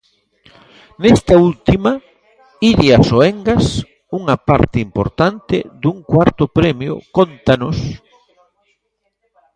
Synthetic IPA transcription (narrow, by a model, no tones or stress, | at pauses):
nest̪ault̪imɐ | iðiasoeŋɡas | uŋapa̰ɾt̪ɪimpo̰ɾt̪ant̪ɪ̰ðuŋkwaɾt̪ʊpɾɛmjʊ̰kont̪anʊs